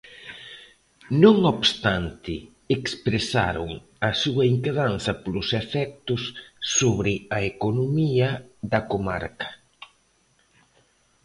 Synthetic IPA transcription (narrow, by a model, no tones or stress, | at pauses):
nõŋoβst̪ant̪ɪ | ekspɾesa̰ɾʊŋ | ɐsuɐiŋkeðanθɐpolʊsefɛk̚t̪ʊsːoβɾɪɐekonomiɐðɐkoma̰ɾkɐ̥